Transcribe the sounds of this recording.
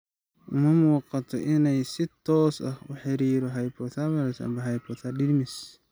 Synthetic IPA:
ʊmɐmʊwɑqɑt̪ʰɔ̰ʔɪnɛjsɪt̪ʰɔːsɐ̰hʊħɪɾiːɾɔɦɐjpʰɔt̪ʰamɐɾɛsɐ̰mbɐɦɐjpʰɔt̪ʰaɗɪɾmɪs

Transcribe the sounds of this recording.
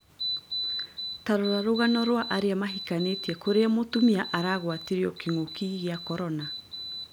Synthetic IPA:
taɾoɾaɾoɣanɔɾwaʔaɾeamaɦikanetiɛkoɾeamotumiaʔaɾaɣwatiɾiɔkiŋokiɣeakɔɾɔna

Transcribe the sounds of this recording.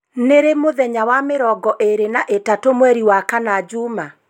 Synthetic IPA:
neɾemoðɛɲawameɾɔɡɔʔeɾenaʔetatomwɛɾiwakanad͡ʒuma

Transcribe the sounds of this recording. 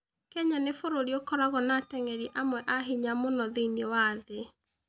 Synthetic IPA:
kɛɲanefoɾoɾiokɔɾaɣɔnatɛŋɛɾiʔamwɛʔaɦiɲamonɔðiinewaðe

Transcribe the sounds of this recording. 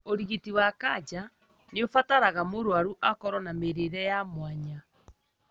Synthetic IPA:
oɾiɣetiwakad͡ʒa | neofataɾaɣamoɾwaɾuʔakɔɾɔnameɾeɾɛjamwaɲa

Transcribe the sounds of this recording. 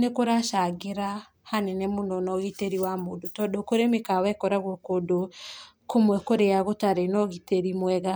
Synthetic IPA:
nekoɾaʃaɣeɾa | hanɛnɛmonɔnɔɣiteɾiwamoːndotɔdɔkoɾemekawɛkɔɾaɣɔkodo | komwɛkoɾeaɣotaɾenɔɣiteɾimwɛɣa

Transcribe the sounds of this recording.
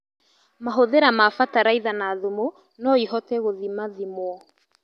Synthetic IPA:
maɦoðeɾamafataɾaiðanaðumo | nɔihɔtɛɣoðimaðimwɔ

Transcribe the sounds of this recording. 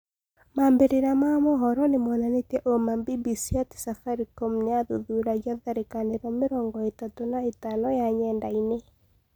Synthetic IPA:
mambeɾeɾamamɔɦɔɾɔnemɔnanetɛʔomambibisiatsafaɾikomneaðuðuɾaɡaðaɾekaneɾɔmɪɾɔŋɡɔetatonaetanɔjaɲɛndaine

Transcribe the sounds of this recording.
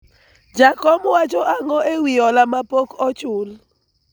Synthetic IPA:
d͡ʒakɔmwat͡ʃɔʔaŋɔewiɔlamapokɔt͡ʃʊl

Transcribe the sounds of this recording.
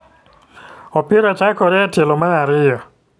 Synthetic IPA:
ɔpɪɾɔt͡ʃakɔɾɛtelomanaɾɪjɔ

